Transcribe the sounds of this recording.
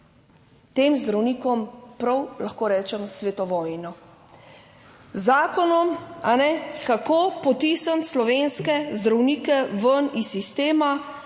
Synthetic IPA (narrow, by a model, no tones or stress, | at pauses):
t̪eːmzd̪ɾawniːkɔmpɾɐwlaxkoːɾɛːt͡ʃɛmsʋet̪ɔʋɔːjnɔ | zaːkɔnɔmanɛkakoːpɔt̪isanslɔʋeːnskɛzd̪ɾawniːkɛʋənisːist̪eːma